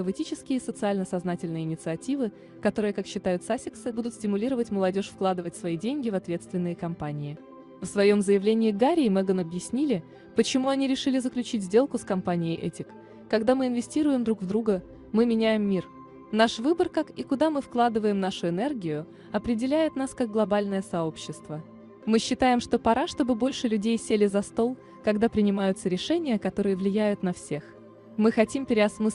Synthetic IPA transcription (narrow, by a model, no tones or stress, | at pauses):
əvɨtʲit͡ɕɪskʲɪjəisət̪sɨalʲnəsɐznatʲɪlʲnɨjəɪnʲɪt̪sɨɐtʲivɨ | kɐt̪o̞ɾɨjəkakɕːɪt̪ajʊt̪sasʲɪksɨbud̪ʊt̪sʲtʲɪmʊlʲiɾəvətʲməlˠɐdʲo̞ʂfklˠad̪ɨvətʲsvɐidʲenʲɡʲɪvɐt̪vʲe̞t̪st̪vʲɪnːɨjəkɐmpanʲɪɪ | fsvɐjo̞mzəjɪvlʲenʲɪɪɡaɾʲɪmɛɡənɐbjɪsʲnʲilʲɪ | pət͡ɕɪmuɐnʲiɾʲɪʂɨlʲɪzəklʲʉt͡ɕitʲzʲdʲe̞lˠkʊskɐmpanʲɪjɪʔɛtʲɪkː | ɐɡd̪amɨɪnvʲɪsʲtʲiɾʊjɪmd̪ɾukvd̪ɾuɡə | mɨmʲɪnʲæjɪmːʲir | naʂvɨbərkakikʊd̪amɨfklˠad̪ɨvəjɪmnaʂʊɪnɛrɡʲɪjʊ | ɐpɾʲɪdʲɪlʲæjɪt̪naskaɡ̚ɡlˠɐbalʲnəjəsɐo̞pɕːɪst̪və | mɨɕːɪt̪ajɪmʂt̪o̞pɐɾaʂt̪o̞bɨbo̞lʲʂɨlʲʉdʲejsʲelʲɪzɐst̪o̞lˠ | kɐɡd̪apɾʲɪnʲɪmajʊt̪səɾʲɪʂɛnʲɪjəkɐt̪o̞ɾɨjəvlʲɪjæjʊt̪nɐfsʲex | mɨxɐtʲimpʲɪɾʲɪɐsmɨ